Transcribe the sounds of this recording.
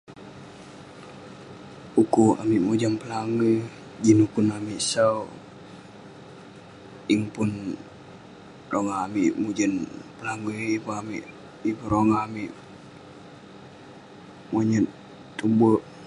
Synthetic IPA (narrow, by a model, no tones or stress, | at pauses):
ukua̰miʔmud͡ʒanpəlaŋə | d͡ʒinukunamiʔsau | iŋpun | roŋaːmiʔmud͡ʒənpəlaŋəibuamiʔ | ibuɾoŋaamiʔ | maɲə | t̪ubuʔ